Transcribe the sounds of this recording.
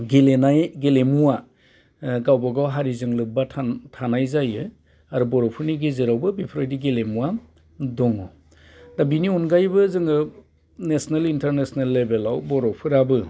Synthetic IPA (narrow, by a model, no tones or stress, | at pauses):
ɡelenajɡelemuwa | ɡawbaɡawɦaɾizɯŋlɯbatʰatʰanajzajɯ | aɾubɔɾɔpʰɯɾniɡezɯɾawbɯbipʰɾajdiɡelemuwa | dɔŋɔ | dabiniɔnɡajbɯzɯŋɯ | nesnelintʰeɾnesnelːebelawbɔɾɔpʰɯɾabɯ